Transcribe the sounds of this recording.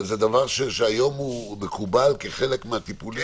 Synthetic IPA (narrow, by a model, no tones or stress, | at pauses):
zed̪avaʁʃeʃeajo̞mhumekubalkeχelekmeat̪ipuli